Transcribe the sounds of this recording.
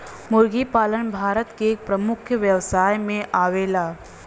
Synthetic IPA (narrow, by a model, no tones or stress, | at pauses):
mʊɾɡipaːlənbʱaːɾət̪keːk̚pɾəmʊkʰjəʋjəʋsaːjmẽʔaːʋeːlaː